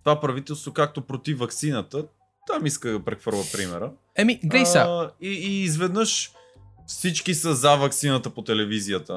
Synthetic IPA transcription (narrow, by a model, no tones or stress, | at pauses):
t̪ovapɾɐvit̪ɛlˠst̪vokak̚t̪opɾot̪ifvɐksinət̪ə | t̪amiskəd̪ɐpɾɛxvɤɾlˠəpɾimɛɾə | ɛmiɡɾɛjsaiːzvɛd̪nəʃ | fsit͡ʃkisəzavɐksinət̪əpot̪ɛlɛvizijət̪ə